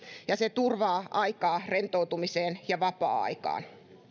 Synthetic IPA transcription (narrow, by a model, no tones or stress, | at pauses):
jɑset̪urʋɑːʔɑikɑːrent̪out̪umiseːnjɑʋɑpɑ̰ːɑ̰ikɑ̰ːn